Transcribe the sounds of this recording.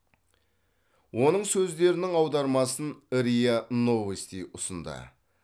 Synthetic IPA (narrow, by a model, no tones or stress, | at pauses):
wo̞nəɴsɵzd̪e̞ɾɪnɪŋɑwd̪ɑɾmɑsənɾijano̞vest̪ijʔʊsənd̪ə̰